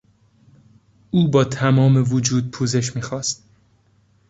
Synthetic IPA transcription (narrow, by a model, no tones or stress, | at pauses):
ʔuːbɒːt̪ʰæmɒːme̞vod͡ʒuːd̪̚pʰuːze̞ʃ̬miːxɒːst̪̚